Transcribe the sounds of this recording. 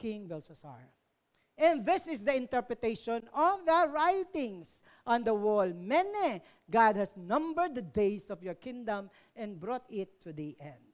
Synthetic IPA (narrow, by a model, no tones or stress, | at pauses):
kɪ̃ŋbɛlsɐsa̰ɹ | ʔɛ̃nðɪsɪsd̪ɐɪ̃nt̪ɛɹpɹɨt̪eɪʃɔ̃nɔvðəɹajt̪ɪ̃ŋs | ʔɔ̃nd̪ɐwɔlmɛnɛ | ɡad̪̚hɐsnʌ̃mbəɹd̪̚ðəd̪eɪsɔvjɔɹkɪ̃ŋd̪ɐ̃m | ʔɛ̃nbɹɔt̪ɪt̪ʰːud̪iʔɛ̃nd̪̚